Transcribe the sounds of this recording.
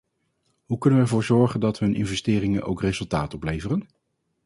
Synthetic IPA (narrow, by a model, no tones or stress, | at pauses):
ɦukɵnənʋəɛɹvʊːɹzɔɹχəndɑtɦɵnʔɪ̰nvɛstɪːrɪŋənʔo̰wkrezɵlˠtaːtɔplejvərən